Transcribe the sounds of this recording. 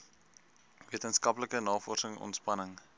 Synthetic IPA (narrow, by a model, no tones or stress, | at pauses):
viətənskɐpləkənɑːfɔrsəŋɔ̰ntspɐnəŋ